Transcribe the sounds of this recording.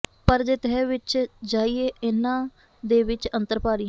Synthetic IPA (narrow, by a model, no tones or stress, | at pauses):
pəɾd͡ʒeːt̪ɛːʋɪt͡ʃd͡ʒaːiːeːɪnːãː | d̪eːʋɪt͡ʃənt̪əɾpaːɾiː